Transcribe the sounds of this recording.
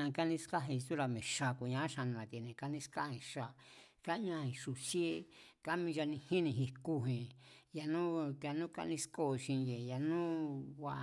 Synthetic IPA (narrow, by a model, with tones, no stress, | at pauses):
ã˧ka˦nĩ˧ska˦ɦĩ˧su˦ɾa˧mĩ˨ʃa˧˨ku˨ɲã˦ʃa˧n˨ã˨˧t̪e˧˨nẽ˧ka˦nĩ˧˦ska˦hĩ˧˨ʃa˧˨ | ka˦ɲã˧hĩ˧˨ʃu˧si˦e˦ka˦mĩ˧ʒa˧nĩ˧hĩ˦nĩ˧ɦĩ˧ku˦ɦĩ˨ja˧nũ˦a˧nũ˦ka̰˧ʔnĩ˧˦sko˦˨˧ʃĩ˧je˨ja˧nũ˦βa˧ʔ